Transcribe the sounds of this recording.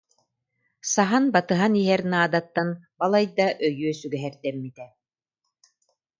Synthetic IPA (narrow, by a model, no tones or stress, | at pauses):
saɦanbat̪ɯɦaniɦɛɾnaːd̪at̪ːanbalˠajd̪aʔœjyːsyɡɛɦɛɾd̪ɛmːit̪ɛ